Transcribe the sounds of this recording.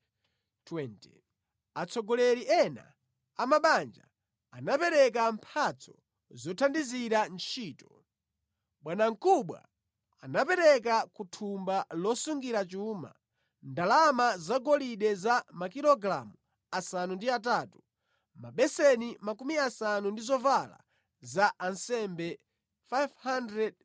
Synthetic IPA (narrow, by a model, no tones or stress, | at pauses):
tʰwɛntɛ̰ | at͡sʰɔɡɔlɛɾiʔɛna̰ | amaɓand͡ʒa̰ː | napɛɾɛk̬ampʰat͡sʰɔ | zɔtʰandiziɾant͡ʃʰiːtɔ̥ | ɓwanaŋ̩kuɓwa̰ | anapɛɾɛk̬akutʰumbalɔsuŋɡiɾat͡ʃuːma̰ | ndalamazaɡɔliɗɛzamakiɾɔɡɾa̰mu | asanundiataːtu | maɓɛsɛnimakumiasanundizɔvala̰ | zaʔansɛmbɛ | fajvhandɾɛd̚